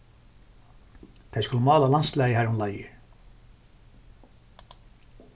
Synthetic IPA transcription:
t̪ʰejskʊləmɑːlalanslɛːjəɦæɾʊnlajɪ̰

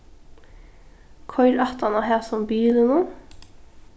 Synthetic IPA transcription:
kʰɔʏɾɑt̪ʰɑnɑhæːsɔmbyːlənuː

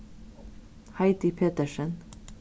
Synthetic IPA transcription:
hɑɪt̪ɪpʰeːt̪əʃən

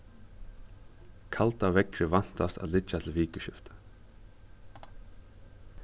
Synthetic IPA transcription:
kʰalt̪avɛkɾɪvan̥t̪ast̪a̰ðlɪt͡ʃːat̪ʰɪlviːkəʃɪft̪ə̥

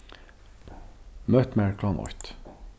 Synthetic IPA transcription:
mœt̪mæɹkʰlɑnɔ̰ʏt̪

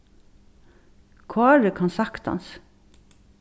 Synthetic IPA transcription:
kʰʋɑːæːɖəkʰɑnsɑkt̪ɑ̰ns

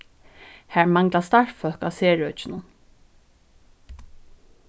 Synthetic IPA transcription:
hæːɹmɑŋɡlast̪ɑɹfœlkaseːɹœt͡ʃɪnʊn

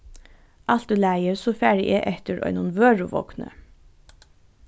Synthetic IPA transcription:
ʔɑlt̪̚ʉːlæɪəɹsoːfæːɹɪʔḛɪʔɛt̪əɹʔœ̰ʏnʊnʋøːɹʊʋɔ̰knə̰

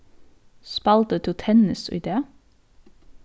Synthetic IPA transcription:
spɑlt̪ət̪ʰʊt̪ʰɛnɪsɪ̰d̪eːə

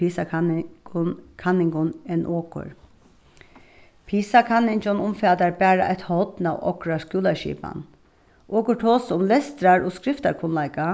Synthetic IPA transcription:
iːsa | kʰanɪŋɡʊneːnʔoːkʊ̰ɹ | pʰiːsakʰanɪnd͡ʒɔnʊmfɛːd̪aɹbæːɾa̰ʔɛɪt̪hɔt̪na̰ːwʔɔ̰kɹaskʉːlaʃḭːpa̰n | ʔoːkʊʈʰoːsʊmlɛst̪ɾaɹoːskɾɪft̪aɾkʰʊnlæɪka

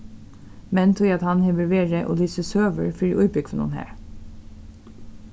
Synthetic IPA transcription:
mɛnt̪ʰʊɑt̪hɑnhɛʋəɹʋeːɹəʔo̰ːlyːsəsøːʋəɹfɔɖḭːʔʉʏbʏɡfɔnṵːnhæ̰ːɹ

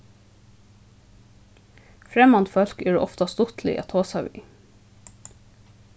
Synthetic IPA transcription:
fɾɛmɑnt̪fœlkeːɖ̰ːʔɔft̪ɑst̪ʊt̪ʰlɪ̰ʔɑ̰ːt̪ʰoːsɑʋḭː

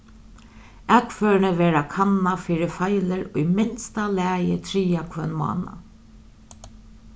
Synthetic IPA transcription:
ɛkfœːɹnəʋɛːɾakʰanːafiːɾɪfajləɾʊjmɪnst̪alɛːjɪt̪ʰɾiːakʰʋœnmɑ̰ːna̰

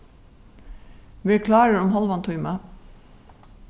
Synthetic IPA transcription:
ʋikʰlɑːɾəɾʊmɦɑlʋɑnt̪ʰʊʏmɑ

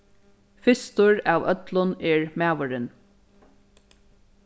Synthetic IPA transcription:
fɪst̪ʊɹɑːʋœt̪lʊneːɹmæːʋəɹən

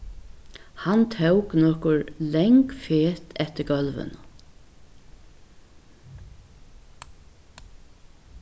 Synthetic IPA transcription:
hant̪ʰɛwknɔkʊɹlɛŋkfeːt̪ʰɛht̪ɪɾɡœlʋə̰n

